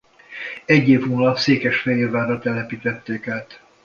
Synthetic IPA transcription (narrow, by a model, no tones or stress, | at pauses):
ɛɟːeːvuːnɒpseːkɛʃfɛjeːrvaːɾɒt̪ɛlɛpit̪ɛt̪ːeːkaːt̪